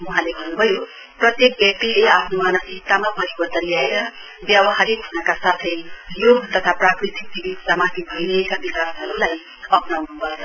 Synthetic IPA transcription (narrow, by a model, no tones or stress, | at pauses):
uɦãleɡʱʌrnubʱʌjo | prʌt̪jek̚bjak̚ʈ̪ileapʰnomanʌsist̪amapʌɾibʌt̪ʌɾiaeɾʌ | bjʌbʌɦaɾikɡʰʱunʌkasat̪ʰʌjjoɡt̪ʌt̪ʰaprakɾit̪ik̚bibid̪samat̪ʰibʱʌjɾʌekabikasʌɾulaj | ʌpnawnubʱʌe